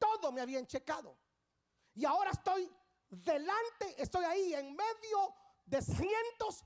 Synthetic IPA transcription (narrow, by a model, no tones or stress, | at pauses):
t̪o̞ðomeaβiaent͡ʃe̞kaðo̰ | iao̞ɾaest̪o̞j | ðelant̪e̞ʔest̪o̞jaieŋme̞ðjo̞ | ðe̞sje̞nt̪o̞s